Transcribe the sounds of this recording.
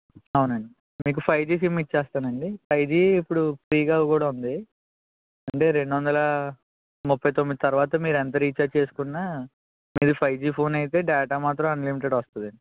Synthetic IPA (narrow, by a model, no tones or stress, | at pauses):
ɐwunɐɳɖi | miːk̬upʰɐjd͡ʒiːsiːmiʈ̚t͡ʃɛːst̪aːnɐɳɖipʰɐjd͡ʒiːipːuɽupɾiːɡaːɡkuːɽaːund̪i | ɐɳʈe̞ːɾe̞ɳɖuʋɐnd̪ɐlɐ | mupʰːɐjt̪omːid̪it̪ɐɾuʋaːt̪ɐmiːɾɛnt̪ɐɾiːt͡ʃaːt͡ʃe̞ːsu̥kunːaː | miːd̪ipʰɐjd͡ʒiːpʰo̞ːnɐjit̪̬e̞ːɖɛːʈaːmaːt̪ɾɐ̃mɐnlimiʈ̬eɖʋɐst̪und̪ɐɳɖi